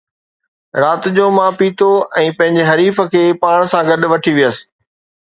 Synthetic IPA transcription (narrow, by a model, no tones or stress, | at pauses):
ɾaːt̪ɪd͡ʑoːmãːpiːt̪ʰoɛ̃ːpɐ̃ɦɪ̃ɲd͡ʑeɦɐɾiːfə̆kʰeːpaːɽ̃sãɡɐɗʋɐʈʰiʋijəsɪ̥̆